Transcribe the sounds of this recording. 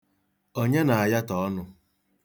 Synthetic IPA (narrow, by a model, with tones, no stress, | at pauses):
o˦ɲe˦na˨a˨ja˦tɔ˨ɔ˦nʊ˦˨